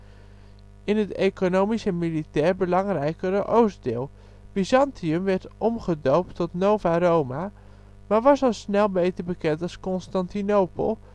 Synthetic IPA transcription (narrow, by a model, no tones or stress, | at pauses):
ɪnɦətejkonowmisəmilitɛːɹbəlɑŋrɛjkərəʔowsdɪ̰ːlˠ | b̥izɑntiəmʋɛɹtʔɔmχədowp̚tɔtnowvaɾowma | maːɹʋɑsɔlˠsnɛlˠbejtəɹbəkɛntɑlˠskɔnstɑntinowpə̰lˠ